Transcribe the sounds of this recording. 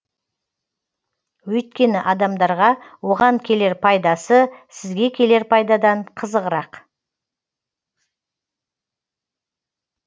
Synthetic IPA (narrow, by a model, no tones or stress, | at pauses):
wɵjt̪̚kʲe̞nɪʔɑd̪ɑmd̪ɑɾʁɑwo̞ʁɑŋkʲʰe̞le̞ɾpʰɑjd̪ɑsəsɪzɡʲe̞kʲʰe̞le̞ɾpʰɑjd̪ɑd̪ɑɴqʰəzəʁəɾɑq